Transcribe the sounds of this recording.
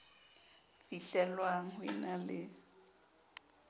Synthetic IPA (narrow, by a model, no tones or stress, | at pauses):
fiɬɛlwaŋ̩ɦwɪnalɪ